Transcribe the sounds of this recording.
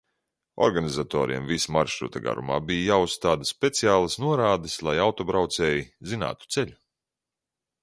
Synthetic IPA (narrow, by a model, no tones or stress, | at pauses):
ɔ̰ɾɡanizat̪ɔ̰ːɾḭɛmvismaɾʃɾṵt̪aɡa̰ɾṵma̰ːbijajaːusːt̪aːd̪əsːpʲet̪sijaːlˠɐsnuɔɾaːd̪ɨslˠajawt̪ɔbɾawt̪sɛːjizina̰ːt̪u̥t̪sɛʎʲu